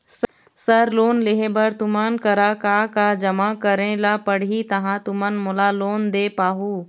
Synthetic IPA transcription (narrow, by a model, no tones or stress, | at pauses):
s | sɐɾloːnleɦẽbɐɾt̪ʊmankɐɾakaːkad͡ʒɐmakəɾẽlapəɽ̤it̪ɐɦãt̪ʊmənmʊlaloːnd̪eːpaːɦuː